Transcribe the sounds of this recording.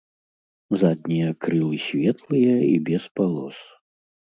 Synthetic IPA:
zad̪̚ʲnʲijɐkɾɨlˠɨsʲvʲɛt̪lˠɨjɐḭbʲɛspalˠɔ̰s

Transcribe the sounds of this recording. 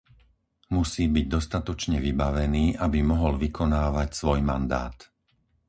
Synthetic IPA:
musiːbiɟ̚d̪ɔst̪at̪ɔt͡ʃɲɛʋibaʋɛniːʔabimɔɦɔlʋikʰɔnaːʋacsʋɔjma̰nd̪a̰ːt̪

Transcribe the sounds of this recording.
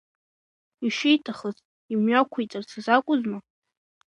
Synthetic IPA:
iʃejtʰʼaχəz | imɥakʷʰejt͡sʼart͡sʰazakʷʼʊzma

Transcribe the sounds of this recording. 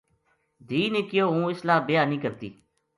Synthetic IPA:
d̪iːneːkɪjoːũːɪslaːbɪjaːnĩːkəɾt̪ḭː

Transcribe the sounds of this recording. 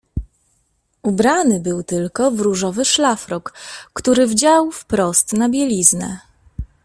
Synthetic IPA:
ubɾanɘbɘwt̪ɘlkɔvɾuʐɔvɘʂlafɾɔkːt̪uɾɘvd͡ʑawfpɾɔst̪nabʲjɛlʲiznɛ̰

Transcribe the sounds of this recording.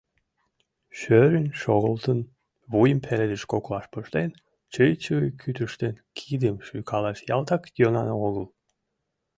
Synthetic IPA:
ʃøɾynʲʃoɣəlˠt̪ən | βujəmpʰeɾed̪eʃkoklˠɑʃpəʃt̪en | t͡ʃəjt͡ɕɯjkʰyt̪ʰyʃt̪enkʲʰid̪əmʃyjkʰɑlˠɑʃjɑ̰lˠt̪ɑkd̪ʲonɑnəoɣəlˠ

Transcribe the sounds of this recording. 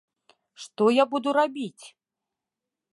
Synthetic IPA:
ʂt̪ɔjabud̪uɾabʲit͡sʲ

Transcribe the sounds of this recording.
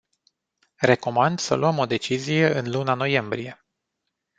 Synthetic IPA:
re̞ko̞mand̪sə̰luəmo̞d̪e̞t͡ʃizije̞ɨnlunano̞je̞mbɾije̞

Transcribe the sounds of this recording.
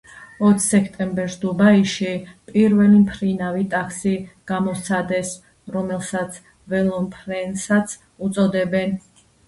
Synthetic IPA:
ɔt̪ʰsɛkʰt̪ʼɛmbɛɾsd̪ubaiʃipʼiɾvɛlimpʰɾinavit̪ʼakʰsiɡ̥amɔsʰad̪ɛs | ɾɔmɛlˠsat̪sʰ | vɛlˠɔmpʰɾɛnsat̪sʰ | ut̪sʼɔd̪ɛbɛn

